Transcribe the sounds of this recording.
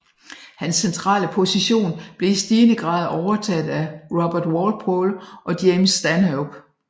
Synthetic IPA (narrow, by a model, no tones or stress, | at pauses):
hænsːent͡sʰʁɑ̰̈ːləpʰo̝siɕo̝̰ːnb̥le̝isd̥iːnəɡ̥ʁɑ̈ːð̞̩ˠɒʊɐt͡sʰæd̥ˠæʁɒb̥ɐd̥wɒl̥̚pʰoːlʔɒ̽d̥jemsːd̥ænhob̥